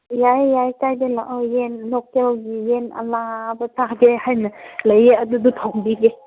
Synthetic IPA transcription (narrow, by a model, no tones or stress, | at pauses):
jajːajkajdelaʔɔjenlɔkɛlɡijena̰labətaɡɛhajnaləjeadudut̪ʰawŋbiɡɛ